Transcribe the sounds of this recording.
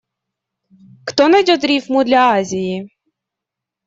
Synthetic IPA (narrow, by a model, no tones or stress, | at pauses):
xt̪ɔnɐjdʲɔt̪ɾʲifmud̪lʲɐazʲiji